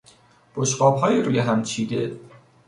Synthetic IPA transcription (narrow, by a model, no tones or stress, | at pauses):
b̥oʃɢɒːbɦɒːjiɾuːjeɦæmt͡ʃʰiːd̪e